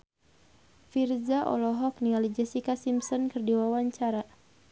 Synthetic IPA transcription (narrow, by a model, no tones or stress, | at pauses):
firzaʔɔ̰lɔɦɔk̚niŋalid͡ʒɛsikasimsɔnkɨrdiwawaɲt͡ʃaɾa